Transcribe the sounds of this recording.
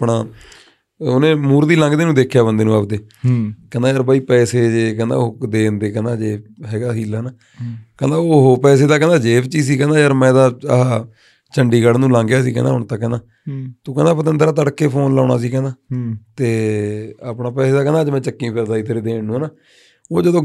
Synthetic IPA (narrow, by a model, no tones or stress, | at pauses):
pɳaː | ʊnẽːmuːɾd̪iːlãŋɡd̪eːnũːd̪eːkʰːjaːbənd̪eːnũːapd̪eː | kɛ̃nd̪aːjaːɾbaːiːpɛːseːd͡ʒeːkɛ̃ːnd̪a̰ːoːd̪eːnd̪eːkɛ̃ːnd̪aːd͡ʒeːɦɛːɡaːɦiːlaːnaː | kɛ̃nd̪aːoɦopɛːseːd̪aːkɛ̃nd̪aːd͡ʒeːbt͡ʃiːsiːkɛ̃ːnd̪aːjaːɾmɛ̃ːd̪aːɦaː | t͡ʃəɳɖiːɡəɽnũːlãːŋɡjaːsiːkɛ̰̃ːna̰ːʊɳt̪akːɛ̃ːnaː | t̪õːkɛ̃ːndaːpət̪̬ənd̪əɾaːt̪̬əɽkːeːpʰoːnlaːna̰ːsiːkɛ̃ːnd̪aːt̪eː | aːpɳaːpɛːseːd̪aːkɛ̃ːndaːd͡ʒmɛ̃ːt͡ʃəkːĩːpʰəɾd̪aːiːt̪ʰəɾeːd̪eːnũːnaː | oːd͡ʒəd̪õː